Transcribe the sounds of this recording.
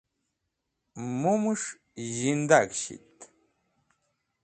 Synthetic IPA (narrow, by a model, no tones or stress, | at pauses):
mumuʂ | ʑind̪aɡɕḭt̪